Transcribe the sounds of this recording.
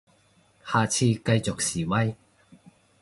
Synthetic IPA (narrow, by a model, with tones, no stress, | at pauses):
haː˨t͡sʰiː˧kɐ˧jt͡so˨k̚siː˨˩wɐ˧j